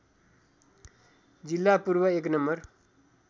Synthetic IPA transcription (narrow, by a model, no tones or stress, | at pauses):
d͡zilːapuɾbʌeknʌmbʌr